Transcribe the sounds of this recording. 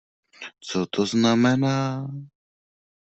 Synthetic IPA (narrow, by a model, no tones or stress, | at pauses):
t͡sɔt̪ʰoznamɛnaː